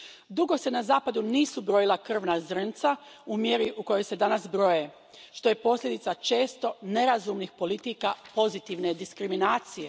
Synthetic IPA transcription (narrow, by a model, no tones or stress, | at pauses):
d̪uɡo̞se̞nazaːpad̪uniːsubɾo̞jilˠakr̩ʋnazɾ̩nt̪saumje̞ɾiʔuko̞jo̞jse̞d̪anasbɾo̞je | ʃt̪o̞je̞po̞slʎʲe̞d̪it̪sat͡ʃe̞ːst̪o̞ne̞ɾazuːmnixpo̞lit̪iːkapo̞zit̪iʋne̞d̪iskɾiminaːt̪sije